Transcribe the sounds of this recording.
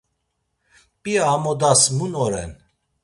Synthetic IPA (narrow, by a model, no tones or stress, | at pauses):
pʼiaːmɔd̪asmunɔɾɛ̰n